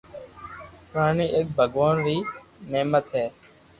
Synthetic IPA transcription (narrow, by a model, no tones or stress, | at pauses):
paːniːʔek̚bʱəɡʋaːnɾiːneːmət̪ɦɛː